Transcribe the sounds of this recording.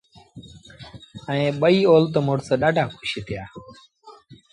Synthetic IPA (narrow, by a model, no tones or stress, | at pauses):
əẽːɓəiːoːlt̪omoːʈsəɗaːɖʱaːkʰʊʃiːt̪ʰɪjaː